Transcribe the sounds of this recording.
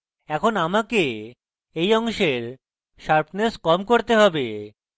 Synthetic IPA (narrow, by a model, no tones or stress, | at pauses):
ɛkʰonamake | ejɔŋʃeɾ | ʃaɾpʰneskɔmkoɾt̪eɦɔbe